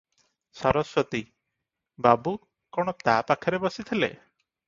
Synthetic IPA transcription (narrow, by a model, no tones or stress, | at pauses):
sɔɾɔswɔt̪i | babu | kɔɽ̃ɔt̪apakʰɔɾebɔsit̪ʰilḛ